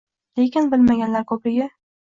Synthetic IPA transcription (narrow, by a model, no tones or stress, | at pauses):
lekʲɪnbɪlmaɡʲanlaɾkʰɵpɾɪɡʲɪ